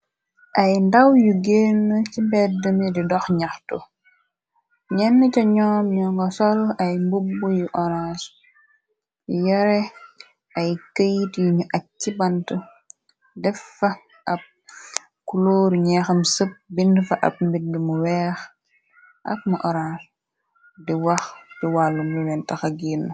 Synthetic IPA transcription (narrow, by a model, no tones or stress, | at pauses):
ʔɐjndɐwjuɡeːnːəcibɛdəmididɔxɲɐxtu | ɲɛnːəcɐɲɔːmɲɔŋɡɔsɔlɐjmbubːujuʔɔɾaːs | jɐɾɛ | ɐjkəjtjiɲuʔɐk̚cːibɐntə | dɛfːɐ | ɐp̚ | kuloːɾɲɛːxɐmsəp̚bindfɐʔɐ̰p̚mbidumuwɛːx | ʔɐ̰k̚mɐʔɔɾaːs | diwɐxd̥iwalːumlulɛntɐxɐɡiːnː